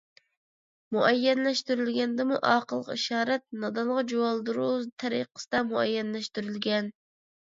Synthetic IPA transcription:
muʔɛjːɛnlɛʃt̪yɾylɡʲɛnd̪ɪmuʔɑːqəlˠːəqiʃɑːɾɛt̪̚nɑd̪ɑnʁɑd͡ʒowɑlˠd̪uɾozt̪ʰɛɾḭqʰːə̥sɨd̪ɑmuɛ̰jːɛnlɛʃt̪yɾylɡʲɛn

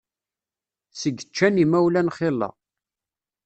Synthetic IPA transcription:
səɡːət͡ʃːænimæwlænχɪlˤːɑ̰

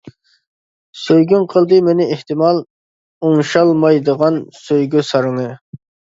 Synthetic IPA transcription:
søjɡʲynqʰəlˠd̪ɨmenɪeht̪ɪmɑlˠ | oŋʃɑlˠmɑjd̪əʁɑnsøjɡʲysɑɾɨŋɨ

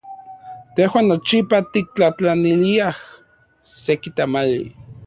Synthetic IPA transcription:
t̪ehwaːnːot͡ʃipat̪ik̚t͡ɬat͡ɬaniliah | sekit̪amalḭ

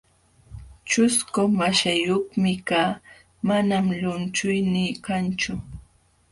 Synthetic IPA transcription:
t͡ʃʊskʊmaʃajoχmɪkaː | manamʎʊnt͡ʃʊjniːkant͡ʃʊ

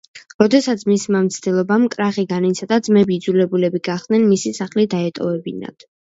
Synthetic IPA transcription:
ɾɔd̪ɛsat̪sʰmismamt̪sʰd̪̥ilˠɔbamkʼɾaχiɡanit̪sʰad̪ad̪zmɛbiːd̪zulɛbulɛbiɡaχd̪̥̚nɛnmisisaχlid̪aɛt̪ʼɔvɛbina̰d̪̥

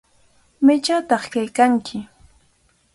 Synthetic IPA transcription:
mɪt͡ʃat̪ɑχkajkaŋkʰɪ

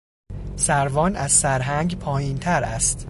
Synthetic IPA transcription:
sæɾvɒːnæzsæɾɦæŋɡpʰɒːjiːnt̪ʰæɾæ̰st̪

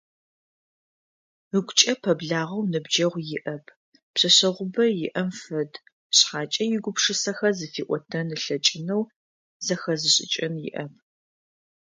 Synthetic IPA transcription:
əɡʷʊt͡ʃʼɐpʰɐbɮaːʁɐwnɨbd͡ʒɐʁʷjɪʔɐpʰ | pɕɐɕɐʁʷʊbɐjɪʔɐmfɐd | ɕħaːt͡ʃʼɐjɪɡʷʊpʂɨsɐxɐzɨfiːʔʷʼɔtʰɐnɨɬɐt͡ʃʼɪnɐw | zɐxɐzɨɕʼɪ̰t͡ʃʼɐnjɪ̰ʔɐp̚ʰ

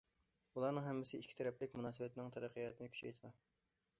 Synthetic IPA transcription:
ulˠɑɾnɨŋɦɛmːɪsɪikʲʰːt̪ʰɛɾɛplɪkʲmunɑːsɨwɛt̪ʰɪnɪŋt̪ʰɛɾæqʰːəjɑt̪ʰɪnɪkʲʰy̥t͡ʃʰḛjt̪ʰɨd̪ɑ

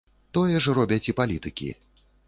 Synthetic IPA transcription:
t̪ɔjɛʐɾɔbʲɐt͡sʲipalʲit̪ɨkʲḭ

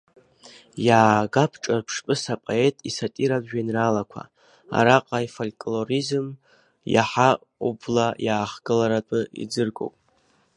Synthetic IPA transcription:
jaːɡapʰʈ͡ʂʼarpʰʂpʼɨsapʼoe̞tʼisatʼiɾabʒᶣainralakʷʰa̰ | a̰ɾaqʼajfolʲkʼlorizɨm | ja̰ħa | ublajaːχɡ̥ɨlaɾatʷʼɨḭd͡zɨrɡʼo̰wpʼ

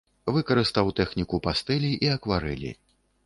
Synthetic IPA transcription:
vɨkɐɾɨst̪awt̪ɛxnʲikupast̪ɛlʲiʔiɐkvaɾɛ̰lʲḭ

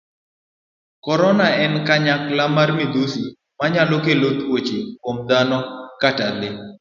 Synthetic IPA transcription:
kɔɾɔnaɛnkaɲaklamaɾmid̪usi | maɲalokelot̪wot͡ʃekomd̪anɔkatalɪ

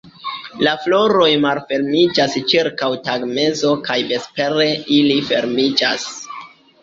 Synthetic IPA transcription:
laflo̞ɾo̞jmalfe̞ɾmid͡ʒast͡ʃiɾkawtaɡme̞zo̞kajbe̞spe̞ɾe̞ilife̞ɾmid͡ʒas

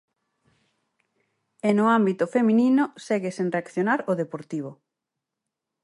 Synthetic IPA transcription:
enʊambit̪ʊfemĩninʊsɛɣesenreakθjonaɾʊðepoɾt̪iβ̞ʊ

